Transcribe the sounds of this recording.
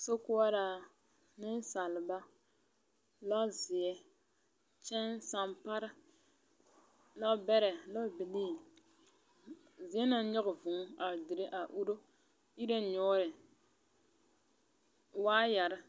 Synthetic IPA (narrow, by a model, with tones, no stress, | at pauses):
so˦kʊ˦a˦ɾa˨ | nɪ˦n˦sa˨lba˦ | la˦zɪ˨ɛ˦ | t͡ʃɛ˦nsa˨mpa˦ɾɪ˦ | la˦bɛ˦ɾɛ˨lɔ˦bi˨liː˦˨ | zɪ˨ɛ˦na˦ɲɔ˦ɣʊ˨vʊ˨ŋ˦a˨dɪ˨ɾɪ˦ʔa˨ʔu˦ɾo˦ | i˦ɾa˦˨ɲɔ˦ɾɪ˨ | waː˦ja˨ɾɪ˦